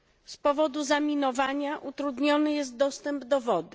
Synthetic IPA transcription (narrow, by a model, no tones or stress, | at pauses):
spɔvɔd̪uzamʲinɔvaɲaʔut̪ɾud̪ɲɔnɘjɛst̪̚d̪ɔst̪ɛmbd̪ɔvɔd̪ɘ